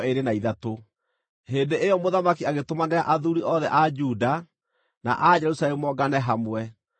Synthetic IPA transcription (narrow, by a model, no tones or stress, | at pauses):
eɾenaiðato | heːndeʔejɔmoðamakiaɣetomaneaʔaðuɾiʔɔðɛʔad͡ʒuːda | na̰ʔad͡ʒɛɾusalɛmumɔɡanɛɦamwɛ